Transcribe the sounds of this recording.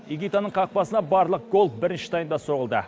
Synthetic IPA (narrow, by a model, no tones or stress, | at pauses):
jiɡʲit̪ɑnəɴqʰɑq̚pɑsənɑbɑɾlˠəq̚ɡo̞lˠfbɪɾɪnʃɪ̥t̪ʰɑjənd̪ɑso̞ʁəlˠd̪ə̰